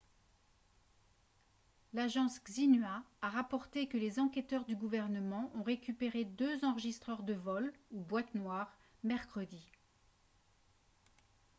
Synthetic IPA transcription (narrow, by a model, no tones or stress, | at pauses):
laʒɑ̃sɡzinɥaːʁapɔʁt̪ekəlezɑ̃kʲɛt̪œʁd̪yɡuvɛʁnəmɑ̃ʔɔ̃ʁekʲypeʁed̪øzɑ̃ʁəʒist̪χœʁd̪əvɔlubwat̪nwaʁ | mɛʁkχəd̪i